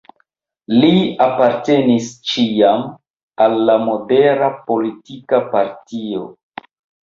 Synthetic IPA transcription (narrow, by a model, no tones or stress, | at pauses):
liapaɾte̞nist͡ʃiam | alːamo̞de̞ɾapo̞litikapaɾtio̞̰